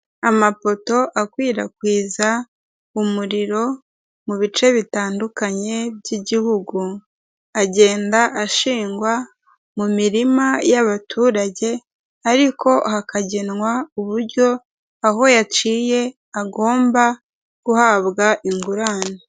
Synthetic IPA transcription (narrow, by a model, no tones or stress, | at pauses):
amafo̞to̞ʔakwiːɾakwiːza | umuɾiɾo̞ | muβit͡ʃe̞βitaːndukaɲe̞bɟiɟihuɡu | aɟe̞ːndaʔaʃiːŋɡwa | mumiɾimajaβatʰuːɾaɟe̞ | aɾiko̞hakaɟinwauβuɾɟo̞ | aɦo̞jat͡ʃiːje̞ | aɡo̞ːmba | kuhaːβɡaʔiŋɡuɾaːne